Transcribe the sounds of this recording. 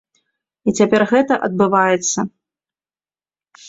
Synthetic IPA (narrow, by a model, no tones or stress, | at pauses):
it͡sʲapʲɛrɣɛt̪ɐʔɐd̪̚bɨvajɛt̪sːɐ